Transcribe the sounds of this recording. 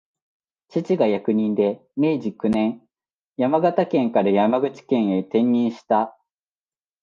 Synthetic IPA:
t͡ɕit͡ɕiɡajakɯ̟ɲ̟ĩnd̪e̞me̞ːʑikɯ̟nẽ̞ŋ | jamaɡat̪akẽ̞ŋkaɾajamaɡɯ̟t͡ɕi̥kẽ̞ɰ̃e̞t̪ẽ̞ɲːĩɰ̃ɕi̥t̪a

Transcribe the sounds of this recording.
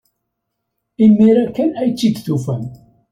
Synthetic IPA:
imːiɾækːænæjt͡sːid̪θufæn

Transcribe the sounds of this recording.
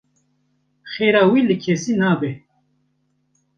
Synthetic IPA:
xeːɾaːwilɨkʰesinaːbe

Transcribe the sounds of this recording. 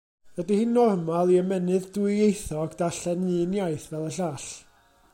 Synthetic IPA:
ədihɨnːɔrmalˠiəmɛnɨðdwɪɨejθɔɡd̥aɬɛnɨːnjajθvɛlˠəɬaːɬ

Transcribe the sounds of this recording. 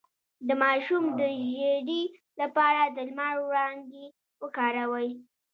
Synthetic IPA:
d̪əmɑʃumd̪əʒeɖi | lapɑɾad̪əlmaɾɽɑŋɡe | wəkɑɾawəj

